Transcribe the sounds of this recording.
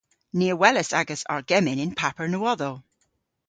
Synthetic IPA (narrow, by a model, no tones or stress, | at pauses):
niəwɛləsaɡəsa̰ɹɡɛmɪnɪnpʰapəɹnuwɔðo